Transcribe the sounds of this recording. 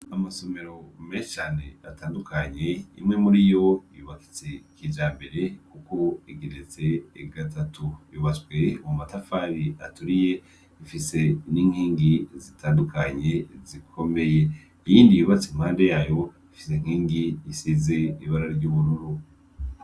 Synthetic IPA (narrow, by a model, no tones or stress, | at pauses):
amaso̞me̞ɾo̞meːʃi̥t͡ʃaːne̞atʰaːndukʰaɲe̞ḭmŋe̞muɾijo̞ijuβaki̥t͡sekiːd͡ʒaːmbe̞ɾe̞kuko̞iɡiɾet͡se̞ːɡatʰatujuːβat͡swe̞ummatafaɾia̰tuɾije̞ | ifise̞niŋhiːŋɡizitʰaːndukʰaɲe̞zikʰo̞me̞je̞ | ijiːndijuβat͡sim̥haːnde̞jaːjo̞ | ifi̥se̞ŋ̥hiːŋɡiːsize̞iβaɾaɟuːβuɾuɾu